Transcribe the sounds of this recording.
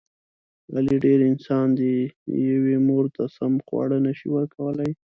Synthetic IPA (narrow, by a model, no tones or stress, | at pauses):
a̰liɖeɾɪnsɑnd̪əjawemoɾt̪asamxwɑ̰ɽənaʃḭwəɾkawəlaj